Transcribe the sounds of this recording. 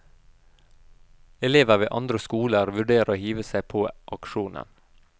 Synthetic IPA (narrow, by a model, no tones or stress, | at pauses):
ɛleːʋəʋeːʔɑnd̪ɾəskuːləɾʋʉɖeːɾoːhiːʋəsæɪpʰoːʔɑkʃuːnə̰n